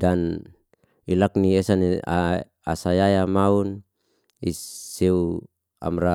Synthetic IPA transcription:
dan | ilakniesania | asajajamaun | iseu | a̰mɾa

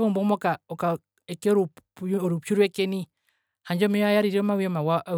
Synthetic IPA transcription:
βɔmbɔmɔkaɔka | ɛkɛɾuɔɾupjuɾwɛkɛni | haɲd͡ʒɔmɛɔajaɾiɾiɾɔmawiɔmawaʔ

